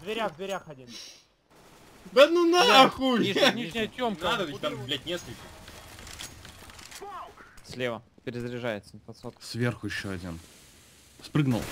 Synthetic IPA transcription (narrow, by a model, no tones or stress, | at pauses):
vd̪vʲɪɾʲaɣvd̪vʲɪɾʲaxɐdʲin | d̪anunad̪xulʲiʐnʲiʂnʲɪjət̪ʲomk̪d̪ət̪amɡʊblʲæt̚ʲnʲeskəlʲkə | kaksʲlʲevə | pʲɪɾʲɪzɾʲɪʐajɪt̪sənʲɪpɐt̪sot̪̚svʲerxʊjɪɕːoɐdʲin | spɾɨɡnṵlˠ